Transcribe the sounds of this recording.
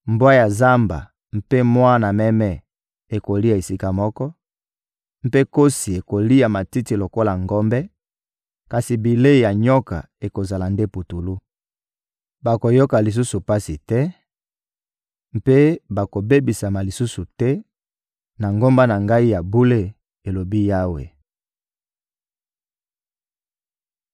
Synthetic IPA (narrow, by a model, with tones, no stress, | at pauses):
mbwa˦ja˨za˦mba̰˨ | m̩˦pe˦mwa˦na˨mɛ˦mɛ˦ | e˨ko˨li˦a˨e˨si˦ka˦˨mɔ˦kɔ˦ | m˦pe˦ko˦si˨e˨ko˨li˦a˨ma˨ti˦ti˨lo˨ko˦la˨ŋɡo˦mbɛ˦ | ka˨si˨bi˨le˦˨ja˨ɲɔ˦ka˨ | e˨ko˨za˨la˨nde˦pu˨tu˨lu˦ | ba˨ko˨jo˦ka˨li˨s̬u˦su˨pa˦si˨tɛ˦ | m˦pe˦ba˨ko˨be˦bi˨sa˨ma˨li˨su˦su˨tɛ˦ | na˨ŋɡo˦mba˦na˨ŋɡa˦i˦ja˨bu˦le˦ | e˨lo˨bi˦ja˦wḛ˨